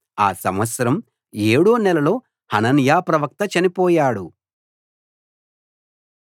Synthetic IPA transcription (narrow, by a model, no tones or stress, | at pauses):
a̰ːsɐmʋɐt̪sɐɾɐm | eːɽuːnɛlɐlo̞ː | hɐnɐnjaːpɾɐʋɐk̚t̪ɐt͡ʃɐnipɔːjaːɽu